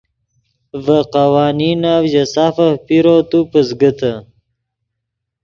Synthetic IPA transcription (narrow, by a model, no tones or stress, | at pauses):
vəqawɑːninawʑasafahpiɾot̪upəzɡət̪ə